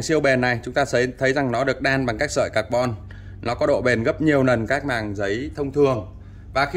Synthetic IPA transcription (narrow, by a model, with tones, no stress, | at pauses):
ŋsi˧əwɓɛ˨˩nːa˨˩jt͡ɕʊ˨˦ŋ͡mt̪aː˧ə˨˦t̪ʰə˨˦jza˨˩ŋnɔ˨˦ɗɨ˨˩ək̚ɗaː˧nɓa˨˩ŋkaː˦˥k̚sə̰ː˧˨jkaː˨˩k̚ɓɔ˧n | nɔ˨˦kɔ˨˦ɗo̰˧˨ɓe˨˩nɣə˦˥p̚ɲi˨˩əwnə˨˩nkaː˦˥k̚maː˨˩ŋzə˨˦jt̪ʰə˧wŋ͡mt̪ʰɨ˨˩əŋ | vaː˨˩xi˧